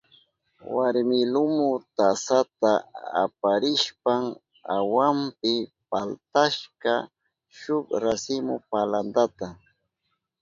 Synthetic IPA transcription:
waɾmɪlʊmʊt̪asat̪aa̰paɾɪʃpaŋ | a̰wampɪpalt̪aʃka | ʃʊkɾasɪmʊpaland̪at̪a

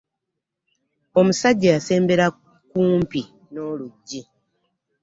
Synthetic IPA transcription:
o̞musaɟːajase̞ːmbe̞ɾa | kuːmpi | no̞ːluɟːi

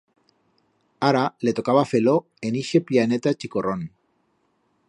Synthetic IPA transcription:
aɾale̞t̪o̞kaβafe̞lo | eniʃe̞piane̞t̪at͡ʃiko̞ron

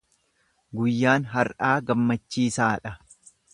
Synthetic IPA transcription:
ɡʊjːaːnɦɐɾᶑaːɡɐmːɐt͡ʃːiːsaːᶑɐ

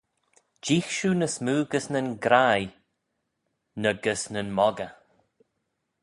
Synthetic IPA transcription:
d͡ʒiːxʃuːnəsmuːɡəsnənɡɾaj | nəɡəsnənmɔɡə

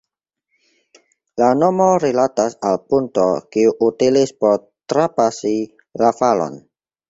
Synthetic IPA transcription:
lanomoɾilatasalpunto̰kiuʔutilispoɾ | tɾapasi | lafalo̰n

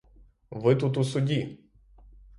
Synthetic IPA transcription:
vət̪ut̪usud̪ʲi

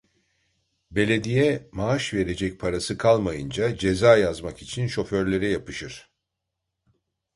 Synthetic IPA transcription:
be̞lʲe̞d̪ijɛmaaʃve̞ɾe̞d͡ʒɛc̚ʲpʰaɾasɯkʰalˠmajɯnd͡ʒad͡ʒe̞zaːjazmakit͡ʃʰinʃo̞føɾlʲe̞ɾɛjapɯʃɯɾ̥

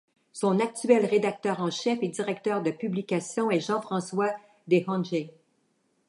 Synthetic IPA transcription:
sɔ̃nak̚t̪yɛlʁed̪ak̚t̪œːʁɑ̃ʃɛfed̪iʁɛk̚t̪œːʁd̪əpyblikʲasjɔ̃ɛʒɑ̃fχɑ̃swa | d̪ehɑ̃nʒe

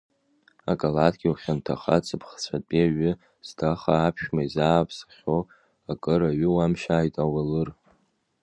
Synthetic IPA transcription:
akʼalatʰɡʲiuχʲantʰaχa̰t͡sʰʼɨpʰχt͡sʷʰatʼiaɥʏ | z̥dʰaχaːpʰʃᶣmaizaːpʰsḁχʲo | akʼɨɾaɥɪwamʃaːjtʼawalɨr

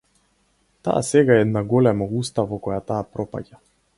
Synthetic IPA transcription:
t̪a̰ːsɛɡaɛɛd̪naɡɔlɛmɔust̪avɔkɔjat̪aːpɾɔpa̰ɟa

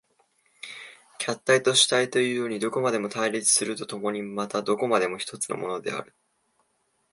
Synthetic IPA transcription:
kʲʰat̪ːait̪o̞ɕi̥t̪ait̪o̞jɯ̟ːjoːɲ̟id̪o̞ko̞mad̪e̞mo̞t̪aiɾʲit͡sɨ̥sɨɾɯ̟t̪o̞t̪o̞mo̞ɲ̟imat̪ad̪o̞ko̞mad̪e̞mo̞çʲi̥t̪o̞t͡sɨ̥no̞̰mo̞no̞d̪e̞̰a̰ɾɯ̟

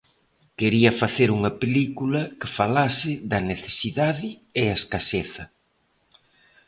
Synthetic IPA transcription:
keɾiɐfaθeɾuŋɐpelikulɐkɪfalasɪðɐneθesiðaðɪeaeskaseθɐ

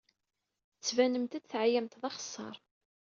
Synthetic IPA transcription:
θət͡sːvænəmt̪æd̪θʕajæmt̪ðˤɑχə̥sˤːɑ̰ɾˤ

